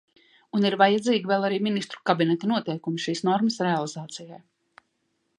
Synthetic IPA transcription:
uniɾvajad̪ziːɡivɛlˠaɾiːminist̪ɾu̥kabinɛt̪anuɔt̪ɛjkumiʃiːsnɔɾmasɾealˠizaːt̪sijaj

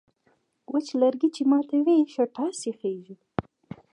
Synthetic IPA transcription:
wʔət͡ʃlaɾɡit͡ʃemɑt̪aweʃaʈɑsexeʒi

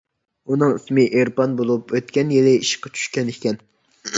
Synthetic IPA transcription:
unɨŋismɪʔeɾpɑnbolˠupøt̪kʲɛnjelɪiʃqɑt͡ʃʰy̥ʃkʲɛnɪkʲɛn

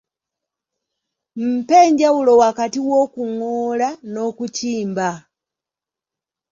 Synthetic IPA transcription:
m̩peɲɟawulowakatiwokuŋoːlano̞kuciːmba

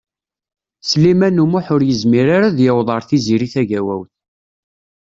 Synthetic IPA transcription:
slimænumʊħʊɾjəzmiɾaɾaðjəwðˤɑɾˤθiziɾiθæʝæwæ̰wθ

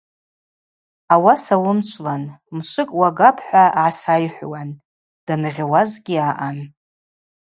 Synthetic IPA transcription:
awasawʊmt͡ʃʷʰlanmʃʷɨkʼwaɡapʰħʷaʕasajħʷwan | d̥anʁʲawazɡʲɪaʔan

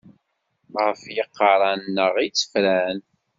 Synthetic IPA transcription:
ʁəfjəqːɑɾˤɑnnːəʁit͡sːə̥fɾæn

